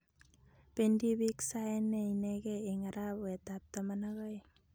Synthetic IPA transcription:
pendibiksaenːeineɡeiŋaɾapwetap̚tamanaɣaj

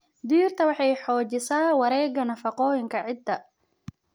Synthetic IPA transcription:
d̪iːrt̪ʰɐwɑħɑjħɔːt͡ʃɪsaːwɑɾɛːɡɐnɐfɑqɔːjɪŋkʰɐʕɪd̪ːɐ

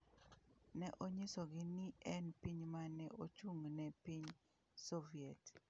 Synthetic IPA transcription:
nɛʔoɲɪsoɡɪnɪɛnpiɲmanɛʔot͡ʃuŋnɛpiɲ | soviɛt

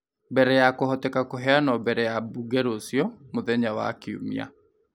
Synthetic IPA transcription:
bɛɾɛjakohɔtɛkakoɦɛanɔbɛɾɛjabuɡɛɾosijɔmoðɛɲawa̰kiṵmḭa̰

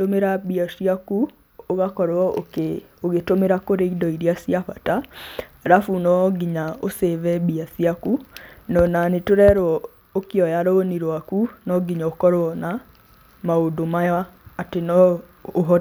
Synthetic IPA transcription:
tomeɾabiasiaku | oɣakɔɾɔke | oɣetomeɾakoɾeidɔiɾiasiaɸataɾafunɔɡiɲaoseβɛbiasiakunɔnanetoɾɛɾwɔ | okeɔjaɾooniɾwakunɔɡiɲaokɔɾwɔna | maodomajaːtenɔ | oɦɔ

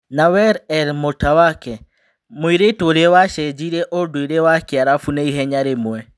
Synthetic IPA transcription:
nawɛɾɛɾmotawakɛ | moiɾetoɾewaʃɛd͡ʒiɾɛʔodoiɾewakɛaɾafuneiɦɛɲaɾemwɛ

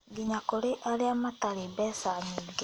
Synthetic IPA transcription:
ɡiɲakoɾeʔaɾeamataɾembɛsaɲiːɡe

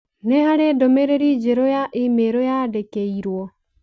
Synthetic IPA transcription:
nehaɾedomeɾeɾid͡ʒeɾojaʔimeɾojadekeiɾwɔ

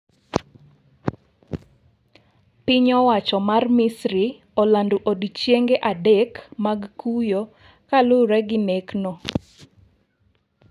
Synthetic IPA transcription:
pɪɲɔwat͡ʃɔmarmɪsɾi | ɔlanduʔodt͡ʃjeŋɡeʔadɛkmaɡkʰujo | kalʊɾɛɡɪneknɔ

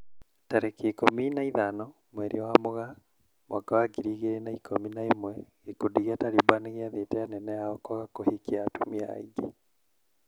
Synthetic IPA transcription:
taɾekekominaiðanɔ | mwɛɾʔiwamoɣa | mʔakawaɡiɾiɣeɾenaikʰominaimwɛɣekodiɣiataɾibaneɣiaðetɛjanɛnɛaɔkwaɣakohikiatumia̰iɡe

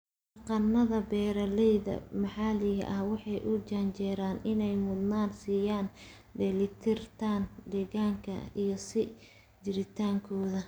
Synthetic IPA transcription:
ɐqɑnːɐðɐbɛːɾɐlɛjðɐ̰mɑħɑːlɪɣɐ̰ʔɐhwɑħɑjʔʊt͡ʃant͡ʃɛːɾaːnʔɪnɛjmʊd̪naːnsiːjaːn | ɖɛlɪt̪ʰɪrt̪ʰaːnɖɛɣaːŋkʰɐ̰ijɞsɪ | d͡ʒɪɾɪt̪ʰaːŋkʰɔːðɐ

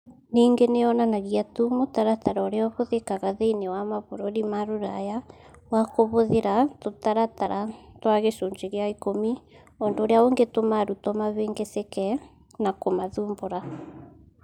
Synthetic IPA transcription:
niːŋɡeneɔnanaɣiatumotaɾataɾɔɾeɔβoðekaɣaðeinewamaβoɾoɾimaɾuɾa̰jawakoβoðeɾatotaɾataɾatwaɣeʃoːɲd͡ʒeɣeaikomi | ondoːɾeaoŋɡetomaɾutomaβeːŋɡesekɛ | nakomaðuːmboɾa

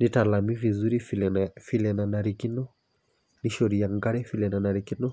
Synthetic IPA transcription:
nitalamivizuɾiffilɛnanaɾikinɔ | niʃɔɾiaŋɡaɾɛfilɛnanaɾikinɔ

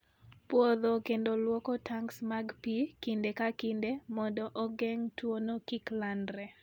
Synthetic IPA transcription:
pwɔd̪okendolwɔkɔtʰaŋksmaɡpikindekakɪndemɔdɔʔɔɡɛŋtwonokiklandɾɛ

